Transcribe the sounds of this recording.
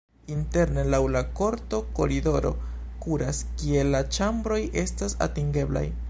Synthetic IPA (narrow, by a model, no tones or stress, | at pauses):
inte̞ɾne̞lawlako̞ɾto̞ko̞̰ɾido̞ɾo̞̰ | kuɾaskie̞lːat͡ʃambɾo̞jʔe̞stasa̰tiŋɡe̞bla̰j